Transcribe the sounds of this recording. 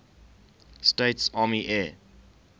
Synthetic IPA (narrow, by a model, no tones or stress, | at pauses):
steɪtsɑːmiʔɛː